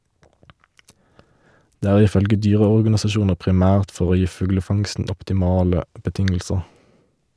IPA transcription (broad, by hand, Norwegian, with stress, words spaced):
ˈdeː ˈæːʁ ˈiː ˈfœlɡə ˈdyːʁəɔʁɡɑnɪsɑˌʃuːnəʁ pʁɪˈmæːʁt ˈfɔʁ ˈoː ˈjiː ˈfʉɡləˌfɑŋstn̩ ɔptɪˈmɑːlə bəˈtɪŋl̩səʁ